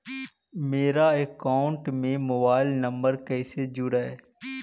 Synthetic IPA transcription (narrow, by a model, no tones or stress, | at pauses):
meːɾaekaːʊɳʈmẽmobaːɪlnəmbəɾkɛːsed͡ʒʊɽaeː